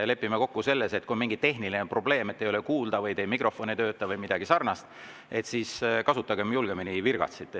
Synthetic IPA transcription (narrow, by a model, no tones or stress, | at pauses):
le̞pːimeko̞kːuse̞lːese̞t̪̚kunmiŋɡit̪e̞ɦnilinepro̞ble̞ːmet̪ːejo̞lekuːld̪̥ɑvɯjt̪e̞ːmikro̞fo̞nit̪ø̞ːt̪ˑːɑvɯjmid̪ɑɡ̥isɑrnɑst̪ | e̞t̪siːskɑsut̪ːˑɑɡ̥e̞mjulɡ̥eminivirɡ̥ɑ̰t̪sit̪ːˑ